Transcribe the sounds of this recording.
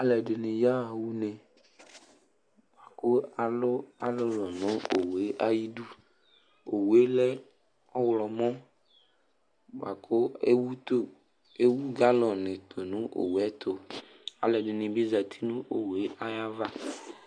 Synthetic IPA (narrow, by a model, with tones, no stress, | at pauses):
a˨lɛ˨ɖe˨nĩ˨ja˦a˨wu˦nẽ˨ | ba˨ko˦a˨lo˦a˨lo˦lɔ˨nõ˦o˨we˦ʔa˦ji˦ɖu˦ | o˨wu˨e˦lɛ˦ | ɔ˦wlɔ˨mɔ̃˦ | ba˨kʰo˦e˦wu˦t̪o˦ | e˦wu˦ɡa˦lɔ˨nẽ˨t̪ʰo˨nũ˦ʔo̰˨wu˨ɛ˦t̪ʰo˨ | a̰˨lɛ˨ɖe˨nĩ˨bi˦za˨t̪ʰi˦nũ˦ʔo˨wu˨e˦ʔa˦ja˦va˦